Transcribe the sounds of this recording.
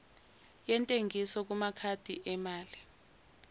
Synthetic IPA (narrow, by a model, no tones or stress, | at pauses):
jɛntʼeŋisɔk̬umakʰad̥ʱiʔɛmaːli